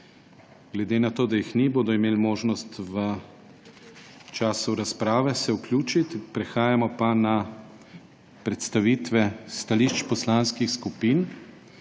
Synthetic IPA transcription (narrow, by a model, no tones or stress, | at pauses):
ɡ̥lɛd̪eːnat̪oːd̪ajixniboːd̪ɔimeːlmoːʒnɔst̪ʋə | t͡ʃaːsuɾaspɾaːʋɛsɛuklʲjuːt͡ʃit̪pɾɛxaːjamɔpana | pɾɛt̪st̪aʋiːt̪ʋɛst̪aliʃt͡ʃpɔslanskixskupiːn